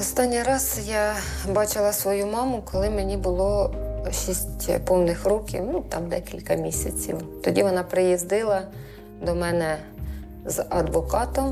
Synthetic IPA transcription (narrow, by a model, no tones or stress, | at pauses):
ɔst̪ɑnʲːijɾɑzjɑ | bɑt͡ʃɪlˠɐsʋɔjumɑmʊkɔlˠɪmenʲibʊlˠɔʃisʲtʲpɔwnɪxɾukʲɪ̰wnut̪ɑmd̪ɛkʲilʲkɐmʲisʲɐt͡sʲḭwt̪ɔdʲiʋɔnɑpɾɪjizd̪ɪlˠɐ | d̪ɔmɛnɛ | zɐd̪ʋɔkɑt̪ɔm